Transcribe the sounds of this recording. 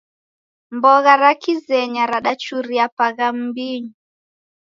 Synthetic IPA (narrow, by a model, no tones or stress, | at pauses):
mbɔɣaɾakizɛɲaɾaɗat͡ʃuɾiapaɣam̩biɲi